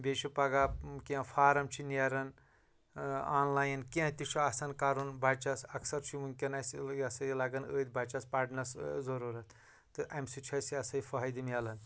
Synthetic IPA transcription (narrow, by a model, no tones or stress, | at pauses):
bʲeʃʰipɐɡaːkiɐ̃fʰaːɾɐmt͡ʃʰiniɐɾɐn | aːnlaːjɐnkiɐ̃t̪iʃʰuɐsɐnkaːɾunbɐt͡ʃɐsɐksɐɾt͡ʃʰimuŋkʲɐnɐsɐsɐilɐɡɐnəːd̪bɐt͡ʃɐspɐɖnɐszɐɾuːɾɐt̪ | t̪ɨʔɐmsit͡ʃʰɐsiɐsɐjfɐɦɐjd̪imjɐlɐn